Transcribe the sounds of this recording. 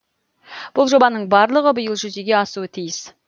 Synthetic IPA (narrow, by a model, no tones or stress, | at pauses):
b̥ʊlˠʒo̞bɑnəɴbɑɾlˠəʁəbəjəlˠʒʏze̞ɡʲe̞ɑsuət̪ʰijɪs